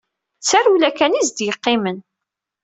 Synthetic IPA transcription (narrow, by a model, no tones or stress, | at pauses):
t͡sːarulækænizd̪jəqːɪmən